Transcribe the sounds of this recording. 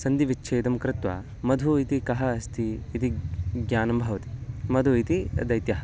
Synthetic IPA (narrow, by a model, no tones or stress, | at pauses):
sɐnd̪iʋitːʃʰeːd̪ɐmkɾɪt̪ʋɐ̰ | mɐd̪ʱuit̪ikɐɦɐːst̪ʰiːt̪iɡjaːnɐmbʱɐʋɐt̪i̥mɐd̪ʱuit̪id̪ɐjt̪jɐɦɐ